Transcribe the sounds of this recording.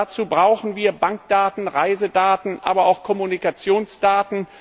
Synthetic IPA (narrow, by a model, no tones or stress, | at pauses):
at͡suːbʁaʊxn̩viːɐbaŋk̚d̥aːtn̩ʁaɪzədaːtn̩ʔa̰ːbɐaʊxkʰɔmunikat͡sjoːnsd̥aːtn̩